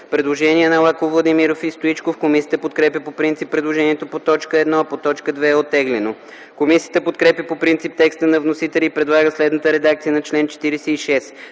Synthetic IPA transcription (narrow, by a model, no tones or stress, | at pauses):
pɾɛd̪lˠoʒɛniɛnɐlˠakovlˠɐd̪imiɾofist̪oit͡ʃkofkomisijət̪əpot̪̚kɾɛpjʲəpopɾint̪sipːɾɛd̪lˠoʒɛniɛt̪opot̪ɔt͡ʃkəɛd̪nɔɐpot̪ɔt͡ʃkəd̪vɛːot̪ːɛɡlɛno | komisijə̥t̪əpot̪kɾɛpjəpopɾint̪sip̚t̪ɛkst̪ənɐvnosit̪ɛlʲiːpɾɛd̪lˠaɡəslɛd̪nət̪əɾɛd̪ak̚t̪sijənɐt͡ʃlɛnt͡ʃɛ̥t̪iɾɛsɛiʃɛs